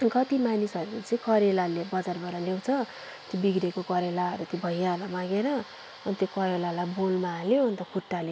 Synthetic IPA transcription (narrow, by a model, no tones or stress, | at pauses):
ɡʌt̪imanisʌɾut͡sʌĩkʌɾelalebʌd͡zarbʌɾʌlew̃t͡sʰʌ | t̪jobiɡɾekokʌɾelaɦʌɾut̪jobʱʌjalamaɡeɾʌ | ʌnit̪jokʌɾelalajbolmaːleʌnt̪ʌkʰuʈːale